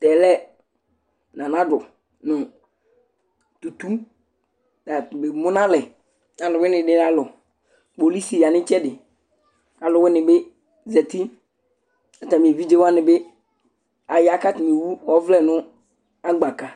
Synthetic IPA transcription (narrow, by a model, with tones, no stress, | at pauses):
tɛ˨lɛ˦ | nã˨nã˦dʊ˨ | nʊ̃˨ | tu˨tu˦ | da˨tbɪ˨mʊ˦nã˦lɛ˨ | na˨lʊ˨wɪ˦nɪ˨dɪ˦a˦lʊ˨ | bo˨li˦si˨ja˨nɪ̃˦t͡ʃɛ˦dɪ˨ | a˨lʊ˨wɪ˦nɪ̃˨bɪ˦ | zɛ˨ti˦ | a˨ta˨mi˨e˨vi˦d͡ʒe˦wa˦nɪ˨bɪ˦ | a˨ja˦ka˦tɪ˨m˨e˨wu˦ɔ˦vlɛ˦nʊ̃˦ | a˦ɡ͡ba˨ka˨